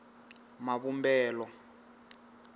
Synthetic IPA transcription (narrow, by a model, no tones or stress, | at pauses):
maβumbɛːlɔ